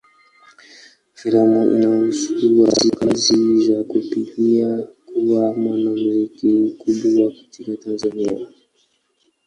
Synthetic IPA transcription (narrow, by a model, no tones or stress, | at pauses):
fiɾamaʔḭnam̩sukuɾuwazikazizakupikiakuwamwanam̩zikim̩kuɓuwakḁtʰikatanzania̰